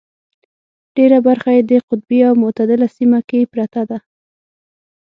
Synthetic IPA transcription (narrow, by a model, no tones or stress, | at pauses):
ɖ̥eɾabaɾxajed̪əqʊt̪̚biawmʊt̪ad̪ɪlasimakepɾat̪ad̪a